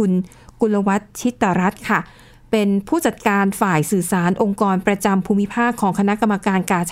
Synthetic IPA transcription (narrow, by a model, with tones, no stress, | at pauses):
u˧n | ku˧la˧wa˦˥t̪̚t͡ɕʰi˦˥t̪ːa˧˩ɾa˦˥t̪̚kʰa˥˩ | pe˧npʰuː˥˩t͡ɕa˨˩t̪̚kaː˧nfaː˨˩jsɯː˨˩saː˩˦nʔo˧ŋkɔː˧npɾa˧t͡ɕa˧mpʰuː˧mːi˦˥pʰaː˥˩kʰːɔː˩˦ŋkʰa˧na˦˥ʔka˧mːa˧kaː˧nkaː˧t͡ɕʰ